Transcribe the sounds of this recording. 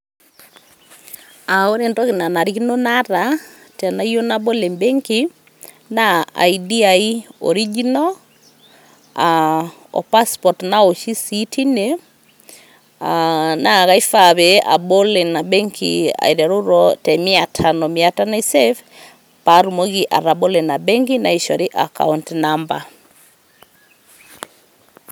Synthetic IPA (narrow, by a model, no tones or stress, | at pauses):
aoɾentɔkinanaɾikinonaɾa | tanaijonabolembeŋki | naa̰idiaiɔ̰ɾiɡinɔ | a | ɔ̰paspɔtnaoʃisitʰine | anaɣaifaβɛa̰bolenabɛŋkʰḭa̰iɾɛɾoɾɔtɛmiatʰanɔmiatanesɛf | paɾumoɣiʔa̰ɾabolenabɛŋkinaiʃɔɾiʔa̰ka̰untnamba